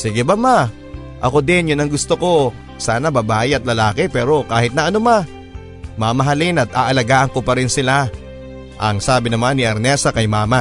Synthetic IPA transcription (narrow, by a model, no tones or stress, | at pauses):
siɡɛbɐma | ʔɐ̰ko̞d̪ɛnjʊnɐŋɡʊst̪oko̞ | saːnɐbɐbaːʔɪɐt̪̚lɐlaːkɛpɛːɾo̞kaːhɪt̪nɐʔɐnoma | mamɐɦɐlɪnɐt̪ʔaːʔɐlɐɡaːʔɐŋko̞pɐɾɪnsɪla | ʔɐŋsaːbɪnɐmanːɪʔɐɾnɛsɐkɐjmaːma